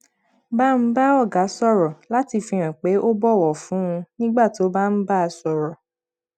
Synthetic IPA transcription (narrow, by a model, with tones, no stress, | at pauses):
ba˦m̩˦ba˦ɔ˦˨ɡa˨˦sɔ˦˨ɾɔ˨la˨˦ti˧fĩ˧ɾ̃ã˨k͡pe˨˦ʔo˦bɔ˦˨wɔ˨fũ˨˦ũ˧nĩ˦ɡ͡ba˦˨to˨˦ba˦m̩˦ba˦a˧sɔ˧ɾɔ˨